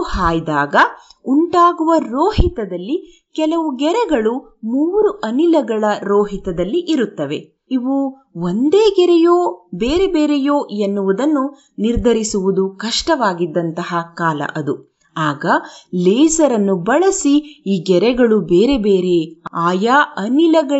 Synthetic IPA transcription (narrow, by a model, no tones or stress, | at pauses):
haːjd̪aːɡɐuɳʈaːɡuʋɐɾoːɦit̪ɐd̪ɐlːi | kɛlɐʋuɡɛɾɛɡɐɭu | muːɾuʔɐnilɐɡɐɭɐɾoːɦit̪ɐd̪ɐlːiʔiɾut̪ːɐʋe̞ | iʋu | ond̪e̞ːɡɛɾɛjoːbeːɾebeːɾɛjoːenːuʋud̪ɐnːu | niɾd̪ʱɐɾisuʋud̪ukɐʂʈɐʋaːɡid̪ːɐnt̪ɐɦɐkaːlɐ̰ʔɐd̪u | aːɡɐleːsɐɾɐnːubɐɭɐsiiːɡɛɾɛɡɐɭubeːɾebe̞ːɾeaːjaɐnilɐɡɐ